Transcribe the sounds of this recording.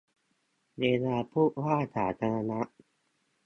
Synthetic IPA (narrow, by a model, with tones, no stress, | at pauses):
deː˧zaː˧pʰu˥˨ʔwaː˥˩˨t̪ʰaː˨˩˦t̪ʰa˧ɾa˧na˦˥ʔ